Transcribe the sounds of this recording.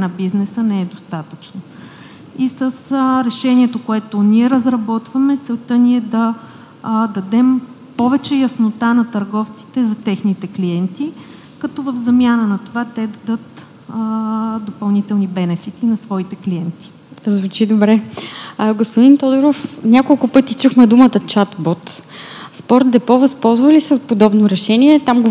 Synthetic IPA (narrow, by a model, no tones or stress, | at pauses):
nɐbiznɛsənɛɛd̪ost̪at̪ət͡ʃno | isəsɾɛʃɛniɛt̪okoɛt̪oniɛɾəzɾɐbɔt̪vɐmɛt̪sɛlˠt̪əniɛd̪ɐ | d̪ɐd̪ɛm | pɔvɛt͡ʃɛjɐsnot̪anɐt̪ɐɾɡɔft̪si̥t̪ɛzɐt̪ɛxnit̪ɛkliɛnt̪i | kɐt̪ɔvəvzɐmjanənɐt̪ovat̪ɛd̪ɐd̪ɤt̪ | d̪opɐlˠnit̪ɛlˠnibɛnɛfit̪inɐsvɔit̪ɛkliɛnt̪i̥ | zvut͡ʃid̪obɾɛ | ɡospod̪int̪ɔd̪oɾofnʲakolˠkʊpɤt̪it͡ʃuxmɛd̪umət̪ət͡ʃat̪bɔt̪spɔɾt̪̚d̪ɛpɔvɐspɔlˠzvɐlisɛot̪̚pod̪ɔbnoɾɛʃɛniɛt̪amɡo